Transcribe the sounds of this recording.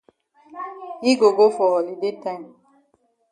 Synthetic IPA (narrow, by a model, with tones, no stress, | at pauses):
i˦ɡo˨ɡo˦fɔ˨ɔ˨li˨de˦ta˦˨m